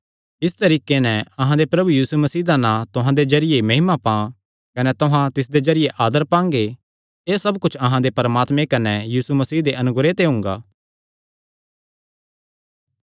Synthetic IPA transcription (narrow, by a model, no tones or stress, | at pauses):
ɪst̪ɐɾiːkenɛ̃ɐɦãd̪epɾɐbujiːsumɐsiːd̪anãt̪ʊɦãd̪ed͡ʒɐɾɪjemɐɦɪmapã | kɐnɛt̪ʊɦãt̪ɪs̬d̪ed͡ʒɐɾɪjeʔaːd̪əɾpãːŋ̆ɡe | eːsɐbkʊt͡ʃʰɐɦãd̪epɐɾmaːt̪mẽkɐnɛjiːsumɐsiːd̪eʔɐnʊɡɾet̪eɦʊ̃ŋɡa̰ː